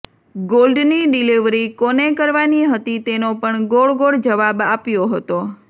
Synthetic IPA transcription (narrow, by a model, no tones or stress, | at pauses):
ɡolɖniɖiliʋɾikonekəɾʋaniɦət̪it̪enopəɳɡoɭɡoɽd͡ʒəʋabapjoɦət̪o